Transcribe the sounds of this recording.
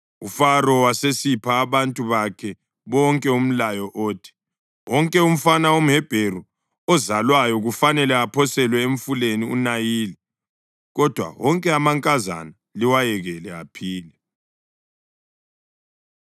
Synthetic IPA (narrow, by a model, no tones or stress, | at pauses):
ufaɾɔwasesipʰaːβantʼuβakʰɛ | βɔŋkʼɛum̩lajɔʔoːtʰi̥ | wɔŋkʼɛum̩fanaom̩ɦɛb̥ʱeru | ɔzalwajɔɣufanɛlɛapʰɔsɛlwɛeɱ̩fuleniṵnajiːlɛ | ɣɔd̥ʱwa̰wɔŋkʼɛamaŋkʼaza̰na | liwajɛɣɛlɛa̰pʰiːlɛ